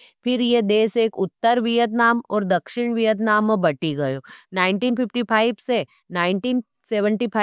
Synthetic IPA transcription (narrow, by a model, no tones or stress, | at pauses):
pʰɪɾjed̪eːseːkʊt̪ːəɾʋijət̪naːmɔːɾd̪ɐkʃɪɽ̃ʋɪjət̪naːmːə̃bɐʈiɡɐjoːnaːɪɳʈiːnpʰɪfʈiːpʰaːɪbse | naːɪɳʈiːn | seːʋə̃ɳʈiːpʰa